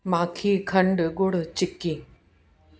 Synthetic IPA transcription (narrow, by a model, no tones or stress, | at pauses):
maːkʰikʰɐ̃ɳɖɡʊɽ̤t͡ɕɪkːiː